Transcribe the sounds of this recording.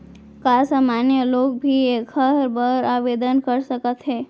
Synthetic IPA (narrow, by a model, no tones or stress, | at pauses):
kasamanjəlok̚bʱiekʰəɾbəɾaʋed̪ənkəɾsəkət̪ɦe